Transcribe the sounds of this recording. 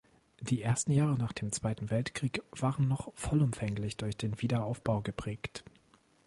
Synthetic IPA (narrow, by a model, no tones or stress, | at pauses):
d̥iːʔeːɐstn̩jaːʁənaːχd̥eːmt͡sv̥aɪtn̩vɛltkʁ̥iːkv̥aːʁənːɔχfɔlʊmfɛŋlɪçd̥ʊɐçd̥eːnviːdɐaʊfb̥aʊɡəpʁ̥ɛːkt